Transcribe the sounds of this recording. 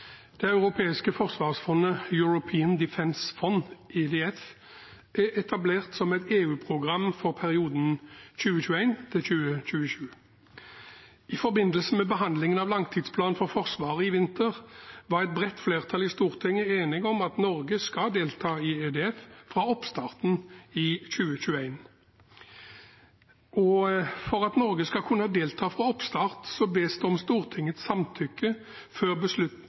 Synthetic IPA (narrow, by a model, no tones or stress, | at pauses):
d̪̥ɛɑʉʁʊpʰeːɪskəfɔʁsʋɑːʁsfɔnːəjʊɹʊpʰiːənd̪ɪfɛnsfɔnʔɛd̪eɛf | ʔæʔɛt̪ʰɑbleːʁt̪sɔmɛɪt̪eːʉːpʰʁʊɡʁɑmfɔʁpʰæʁɪuːd̪n̩ɕʉːəɕʉːæɪnt̪ʰɪlçʉːəc͡çʉːəʃʉː | ɪfɔʁbɪnəlsəmɛbəɦɑnd̪lɪŋənɑʋlɑŋt̪ʰɪd̪spʰlɑːnfɔʁfɔʁsʋɑːʁəɪʋɪnt̪ʰəʁʋɑʁɛt̪̚bʁɛt̪ːfleːʁt̪ʰɑːlɪst̪uːʁt̪ʰɪŋːəeːnɪŋɔmɑt̪nɔʁɡəskɑd̪eːlt̪ʰɑːɪeːd̪eːɛffʁɑɔpst̪ɑːʁt̪nɪçʉːəçʉːəæɪn | ʔɔfɔʁɑt̪nɔʁɡəskɑkʰʉnəhɑd̪eːlt̪ʰɑːfʁɑːɔpst̪ɑːʁt̪sɔbeːsd̪ɛɔmst̪uːʁt̪ʰɪŋːət̪ssɑmt̪ʰʏkːə | føːʁbəslʉt̪